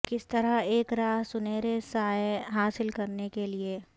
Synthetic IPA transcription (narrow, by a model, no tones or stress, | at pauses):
kɪst̪ɐɾaeːkɾaːɦsʊneːɾesaːjɦaːsɪlkɐɾnekelieː